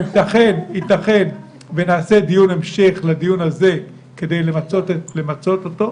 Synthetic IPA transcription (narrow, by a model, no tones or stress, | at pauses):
it̪aχenit̪aχe̞n | venaːse̞d̪ijunemʃeχlad̪ijunhaze̞ | ke̞d̪e̞jlemat͡sotlemat͡so̞t̪ot̪o̞